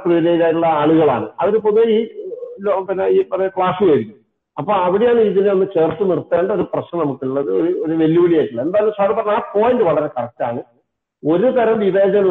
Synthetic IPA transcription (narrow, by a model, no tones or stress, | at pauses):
priʋiɾeːid͡ʑaːjiuɭːɐaɭuɣɐɭa̰ːɳɨɐʋiɾup̬oðeiːlopinːeiːpɐrɐɲɐkɭaːsuʋɐjiɾikʲːum | ɐpːoːɐʋiɽejaːɳɨiːðineo̞nːɨt͡ɕe̞ːrt̪ːɨnirt̪ːeːɳɖo̞ɾuprɐɕnɐnɐmukːiɭːɐðɨoɾuoɾuʋe̞ljuʋiɭijaːjʈːuɭːɐe̞nd̪aːjɐlːosaːɾipɐrɐnaːpoːjndɨʋɐɭɐɾekɐɽɐk̚tːaːɳɨ | o̞ɾut̪ɐɾɐmʋiʋeːd͡ʑɐn